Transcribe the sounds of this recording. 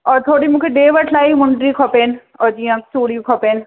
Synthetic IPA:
ɔːɾt̪ʰoːɽimũːkʰeɖeːʋəʈʰlaːimʊ̃ɳɖɾikʰɔpeːn | ɔːɾd͡ʒiːjãsuːɽijokʰɔpeːn

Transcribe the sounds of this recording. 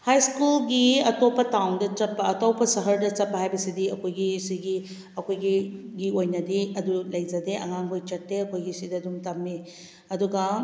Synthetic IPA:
hajskulɡiɐtopːɐtawŋdɐt͡ʃɐpːɐːtawpʰɐsɐɦɐɾdɐt͡ʃɐpːɐɦajbɐsidiɐkʰojɡisiɡi | ɐkojɡiɡiojnɐdiɐdulɐjd͡ʒɐdeʔɐ̰ŋaŋbojt͡ʃɐtːeɐkʰojɡisidɐdumtɐmːi | ɐduɡɐ

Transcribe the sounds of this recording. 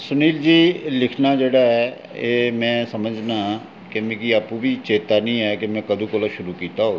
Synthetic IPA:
sʊniːld͡ʒiːlɪkʰnaːd͡ʒeːɽaːɦɛː | eːmɛ̃ːsəməd͡ʒnãː | kemẽkiaːpũːbʱiːt͡ʃeːt̪aːnĩːɛːkemɛ̃ːkəd̪ʱũːkoːlaʃʊɾuːkiːt̪aːɦoː

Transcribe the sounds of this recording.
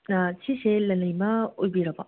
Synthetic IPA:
asʰiselɐlɐjmɐojbiɾɐbɐ

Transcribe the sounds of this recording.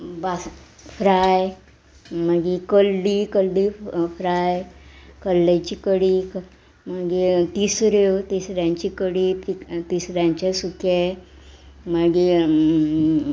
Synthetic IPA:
bas | fɾaj | məɡikəlɖikəlɖifɾajkəlːat͡ɕikəɽik | məɡit̪isɾewt̪isɾjãɲt͡ɕikəɽitit̪isɾjãɲt͡ɕasuke | maɡi

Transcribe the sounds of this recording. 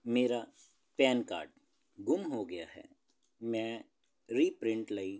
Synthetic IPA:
meːɾa | pɛːnka̰ːɾɖ | ɡʊmɦoɡɐjaɦɛ̰ː | mɛ̃ | ɾiːpɾɪ̃ɳʈlɐi

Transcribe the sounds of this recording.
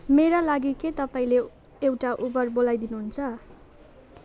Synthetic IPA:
meɾalaɡiket̪ʌpaĩle | ewʈaʔubʌrbolajd̪inuɦunt͡sʰʌ

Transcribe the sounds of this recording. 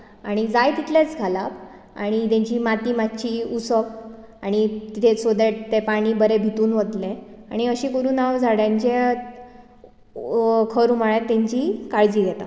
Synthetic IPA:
aɽ̃id͡zajt̪it̪ʰlet͡sɡʱalap | a̰ɽ̃it̪ẽɲt͡ɕiːmat̪iːmatɕiusək̚ | aɽ̃it̪it̪ʰesod̪eʈ̚t̪epaɽ̃iːbəɾebʱit̪uːnʋət̪lẽaɽ̃iəɕĩːkəɾuːnawd͡zʱaɽjaɲt͡ɕe | kʰəɾumaɭjat̪ːãɲt͡ɕiːkaɭd͡ʑiːɡ̪ʱɛt̪a

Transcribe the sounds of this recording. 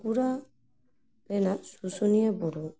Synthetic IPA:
ɡuɾa | lɛnasusuniebuɾu

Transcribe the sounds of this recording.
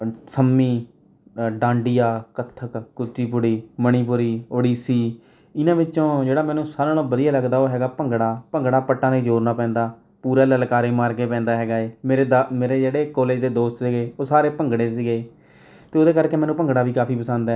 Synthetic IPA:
səmːiː | ɖãːɳɖɪjaːkət̪ʰːəkkʊt͡ʃːʃiːpʊɽiːməɽ̃iːp̬ʊɾiːoːɽiːsiː | ɪnãːʋɪt͡ʃt͡ʃõːd͡ʒeːɽaːmɛ̃ːnũːsaːɾãːnoːbəd̪ɪjaːləɡd̪aːoːɦɛːɡaːpəŋɡɽaːpə̃ŋɡɽaːpəʈːãːneːd͡ʒoːɾnaːpɛ̃ːnd̪aː | puːɾaːləlkaːɾeːmaːɾkeːpɛ̃ːnd̪aːɦɛːɡaːeːmeːɾeːd̪ameːɾeːd͡ʒeːɽeːkoːleːd͡ʒd̪eːd̪oːst̪seːɡeːoːsaːɾeːpəŋɡɽeːsiːɡeː | t̪eːoːd̪eːkəɾkeːmɛːnũːpəŋɡɽaːʋiːkaːpʰiːpəsə̃nd̪ɛː

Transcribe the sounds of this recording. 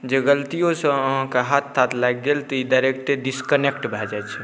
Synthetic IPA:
d͡ʒeɡəlt̪ijõsə̃əɦãkaɦat̪sat̪ʰlaɡɡelt̪ɔid̪əɾek̚t̪eɖiskənekʈbʱɛd͡ʒɛt͡ʃʰɛ

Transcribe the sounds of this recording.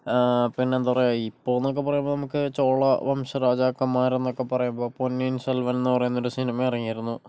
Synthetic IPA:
pinːe̞nd̪upɐrɐjoːipːoːenːokːe̞pːɐrɐjumboːnɐmukːɨt͡ɕoːɭɐʋɐmɕɐɾaːd͡ʑaːkːɐmːaːɾenːo̞kːe̞pɐrɐjumbo̞ːponːijinselʋɐnenːɨpɐrɐjunːo̞ɾusinimɐirɐŋːijiɾunːu

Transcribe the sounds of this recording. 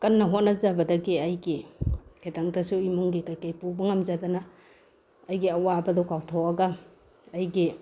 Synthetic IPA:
kɐnːɐɦot̚nɐzabɐdɐɡiɐjɡikʰetaŋdɐsuimuŋɡikajkajpubɐŋɐmzadanɐː | jɡiɐwabɐdɔkawtʰowɐɡɐː | jɡi

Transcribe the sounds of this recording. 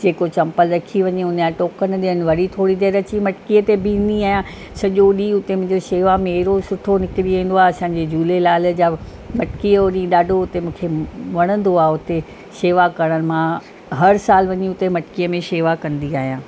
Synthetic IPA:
d͡ʑeːkot͡ɕɐ̃mpəlɾɐkʰiʋɐɲiʊnaːʈoːkənɪ̆ɗɪənɪ̆ʋɐɾit̪ʰoːɽid̪eːɾɐt͡ɕimɐʈkiːət̪ebĩnd̪iaːɦijãː | sɐʄoɗiʊt̪emʊ̃ɦɪ̃ɲd͡ʑoʃeːʋamẽɾosʊʈʰonɪkɪɽiĩːn̆d̪oaːeɐsãːɲd͡ʑed͡ʑuːlelaːld͡ʑaː | mɐʈkijəɗĩɗaːɖʱoʊt̪emũːkʰeʋɐɽ̃ə̃nd̪oaːɦʊt̪e | ʃeːʋakɐɽ̃ən̆mã | ɦɐɾsaːlʋɐɲiʊt̪emɐʈkijəmẽʃeːʋakɐ̃nd̪iaːɦijãː

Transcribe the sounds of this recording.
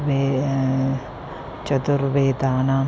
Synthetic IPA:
ʋe | t͡ʃɐt̪uɾʋeːt̪aːnaː

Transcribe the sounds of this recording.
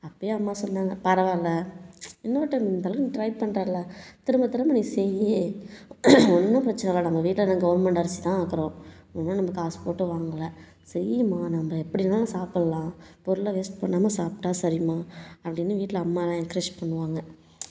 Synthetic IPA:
ɐpːɐjeːɐmːaːsɔnːaːŋɡɐpɐɾɐʋaːlːɐɪnːɐʋɐʈːɐnd̪ɐlɐɾɪnʈɾɐɪpɐɳːɾaːɾlɐt̪ɪɾɯmbɐt̪ːɪɾɐmɐniːsɛjji | ɔnːʊ̃pɪɾɐt͡ʃːɐnɛɣɐɭɐnɐmɐʋiːʈːɪlɐnãɡɐʋɐɾmɛɳʈɐɾɐsi̥t̪ãːaːkɯɾõː | ɔnːɐ̃nɐmbɐkaːspoːʈːɯʋaːŋɡɐlːɐ | sɛɾɪjɐmaːnɐmbɐɛpːɐɽɪnːaːlasaːpɐɭɐlãːpɔɾʊlɐʋeːsʈpɐɳːaːmaːsaːpʈaːsɐɾɪjɯmaːɐpːɐɽɪnːɯʋiːʈːɪlɐɐmːaːlãːɛkɾeʂpɐɳːɯʋaːŋɡɐ

